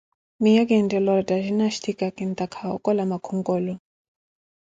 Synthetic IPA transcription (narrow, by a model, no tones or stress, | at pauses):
mijak̬ɛndɛlɔɾɔdʼaʒinaʃtʰikʼakʼint̪ʼakʰaɔ̰kʼɔlamakʰuŋkʼɔlɔ